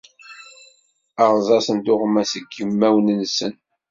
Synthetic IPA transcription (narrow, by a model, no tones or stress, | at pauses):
ɑʁˤzˤɑsənt̪ʊʁmæsəɡjəmːæwnənsən